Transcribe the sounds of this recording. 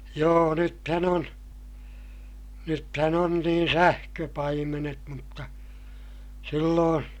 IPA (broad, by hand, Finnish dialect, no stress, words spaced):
joː nythæn on nythæn on niːn sæhkøpɑimenet mutːɑ silːoːn